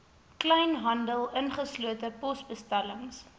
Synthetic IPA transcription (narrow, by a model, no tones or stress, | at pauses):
klɛjnɦɐndəlˠənχəsluətəpɔsbəstæləŋs